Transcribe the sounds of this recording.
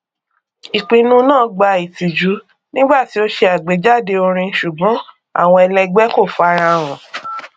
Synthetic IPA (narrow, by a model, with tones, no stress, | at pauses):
i˨k͡pĩ˨nũ˦nãː˦˨ɡ͡ba˧i˨ti˨d͡ʒu˨˦ | nĩ˦ɡ͡ba˦˨ti˨˦o˧ʃe˧a˨ɡ͡be˨˦d͡ʒa˦˨de˧o˧ɾ̃ĩ˧n̩˧˦ʃu˨ɡ͡bɔ̃˨˦ | a̰˦˨w̃ɔ̃˧ɛ˧lɛ˧ɡ͡bɛ˦ko˦˨fa˧ɾ̃ã˧ɾ̃ɔ̃˨